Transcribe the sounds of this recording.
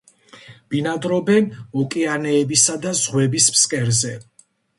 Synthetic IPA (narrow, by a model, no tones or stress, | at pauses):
b̥inad̪ɾɔbɛnɔkʼianɛːbisad̪azʁwɛbismskʼɛɾzɛ